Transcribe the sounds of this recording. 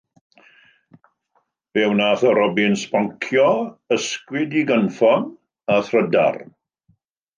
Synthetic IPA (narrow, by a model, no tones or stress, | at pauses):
v̥ɛwnaθəɾɔbɪnspaŋkʰjɔəskwɪdiɡənfɔn | aθrəda̰r